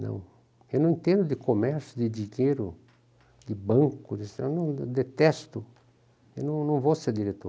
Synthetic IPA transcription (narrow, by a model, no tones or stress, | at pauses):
nɐ̰̃w̃ | ewnɐ̃w̃ĩt̪ẽnd̪ʊd̪ɪkomɛɾsjʊd̪ɪd͡ʒiɲeɾʊ | d̪ɪbɐ̃ŋkʊd̪ɪsewnɐ̃w̃d̪et̪ɛst̪ʊ | ewnɐ̃w̃nɐ̃w̃voseɾd̪iɾet̪o̰ɾ